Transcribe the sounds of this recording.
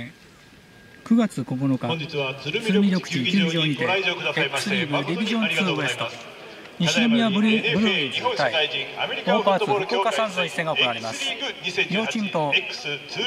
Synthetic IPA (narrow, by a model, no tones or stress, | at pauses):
kɯ̟ɡat͡sɨko̞bono̞ka | t͡sɨɾɯmʲiɾʲo̞kɯ̟̥t͡ɕikʲɨːɲd͡ʑoːɲit̪eekːɯ̥sɨɾʲiːbɯebʲiʑõ̞nt͡sɨːe̞sɨ̥t̪o | ɲiɕiomʲiabɯ̟ɾɯd͡ʑt̪ːai | opaːɨokoːkasãnzɨ̃ɕi̥seɡao̞ko̞naɾemasɨ̥jʲoːt͡ɕĩnt̪o